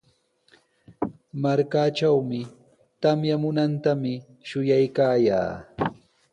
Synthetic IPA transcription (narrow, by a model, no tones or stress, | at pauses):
maɾkaːt͡ʃawmɪ | t̪amjamʊnant̪amɪ | ʃʊjajkaːja̰ː